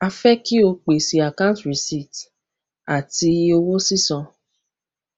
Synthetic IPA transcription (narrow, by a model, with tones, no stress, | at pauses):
a˧fɛ˦ki˦o˧k͡pe˨si˨a˨kã˦tɾi˨si˦˨t | a˨ti˧o˧wo˦si˦sɔ̃˧